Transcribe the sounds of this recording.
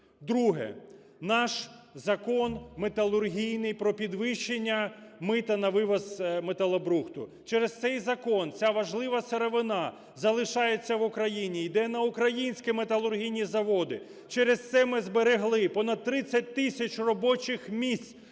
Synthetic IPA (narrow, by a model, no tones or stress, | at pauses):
d̪ɾuɦɛ̰ | nɑʃzɐkɔnmet̪ɐlˠʊrɦʲijnɪjpɾɔpʲid̪ʋɪʃːenʲːɐmɪt̪ɐnɐʋɪʋɐzmet̪ɐlˠɔbɾuxt̪ʊ̰ | t͡ʃɛɾest̪sɛjzɐkɔnt͡sʲaʋɐʒlˠɪʋɐseɾeʋɪnɑ | zɐlˠɪʃɑjet͡sʲːɐʋʊkɾɐjinʲijd̪ɛnɐʊkɾɐjinʲsʲkɪmet̪ɐlˠʊrɦʲijnʲizɐʋɔd̪ɪ̰ | t͡ʃɛɾezt̪sɛmɪzbeɾeɦlˠɪpɔnɐd̪̚t̪ːɾɪt͡sʲːɐt̚ʲt̪ɪsʲɐt͡ʃʲrɔbɔt͡ʃɪxmʲisʲ